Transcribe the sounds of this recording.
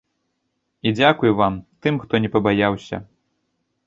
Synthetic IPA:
id͡zʲakujuvamt̪ɨmxt̪ɔnʲɛpɐbajawsʲɐ̰

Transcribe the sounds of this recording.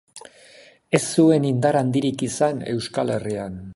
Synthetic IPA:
e̞sːue̞nind̪aɾand̪iɾikisane̞̰wskale̞rian

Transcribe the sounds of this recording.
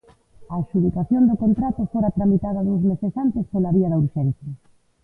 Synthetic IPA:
ɐʃuðikaθjond̪ʊkont̪ɾat̪ʊfoɾɐt̪ɾamit̪að̞ɐðowzmesesant̪ɪspolaβiɐðɐuɾʃenθjɐ

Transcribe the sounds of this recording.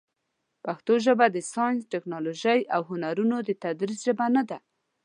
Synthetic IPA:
paxt̪oʒəbad̪əsɑjnsʈɪknɑloʒəjʔawɦʊnaɾunod̪ət̪ad̪ɾizʒəbanad̪a

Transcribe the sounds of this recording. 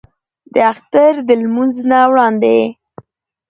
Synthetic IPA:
d̪əaxt̪aɾd̪əlmunznawɽɑnd̪e

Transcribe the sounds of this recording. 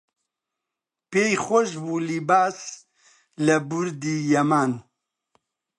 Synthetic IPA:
peːjxʷoʃbuːlibaːs | ləbuɾd̪iːjɛmaːn

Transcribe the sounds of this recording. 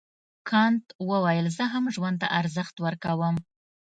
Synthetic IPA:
kʰɑnt̪wəwajəlzəɦamʒwand̪t̪a̰ʔaɾzəxt̪wəɾkawəm

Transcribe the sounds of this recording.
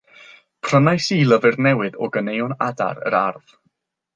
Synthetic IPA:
pʰr̥ənajsilˠəvɨrnɛwɨðɔɡənejɔnada̰ɾə̰ɾarð̥

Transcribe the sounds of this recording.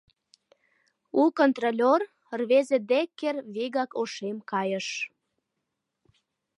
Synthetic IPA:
ukont̪rolʲor | rβezĕd̪ekːerβiɣɑkoʃemkɑjə̆ʃ

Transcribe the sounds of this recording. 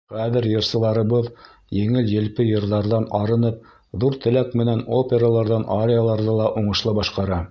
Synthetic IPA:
χæðɘɾjɤ̆ɾsɤ̆lˠɑɾɤ̆βɤð | jɘ̆ŋɘljɘ̆lpɘjɤ̆ɾðɑɾðɑnɑɾɤ̆nɤp̚ | ðuɾt̪ɘ̆lækmɘ̆nænopʲeɾalˠɑɾðɑnʔaɾʲejalˠɑɾðɤlˠɑʔuɴɤ̆ʃlˠɤbɑʃqɑɾɑ

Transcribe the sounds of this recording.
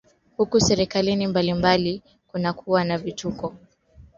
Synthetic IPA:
hukusɛɾikalinimbalimbali | kunakʰuwanavitukɔ

